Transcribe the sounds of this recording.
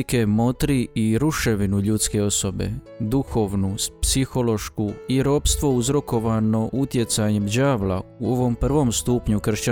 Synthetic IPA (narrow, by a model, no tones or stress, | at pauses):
ke̞mo̞t̪ɾiiɾuʃe̞ʋinuʎut̪ske̞o̞so̞be̞̰ | d̪uxo̞ʋnupsixo̞lo̞ʃkuiɾo̞ːpst̪ʋo̞uzɾo̞ko̞ʋano̞ʔut̪je̞t̪saɲe̞md͡ʑaːʋla̰uo̞ʋo̞mpr̩ʋo̞mst̪uːpɲukr̩ʃt͡ɕa